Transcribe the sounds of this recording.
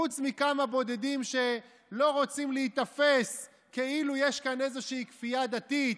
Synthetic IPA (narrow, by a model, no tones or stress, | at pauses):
ut͡smikamabo̞d̪e̞d̪imʃe̞ | lo̞ʁot͡simleit̪afes | ke̞ilujeʃkane̞zeʃiːkfijad̪at̪it̪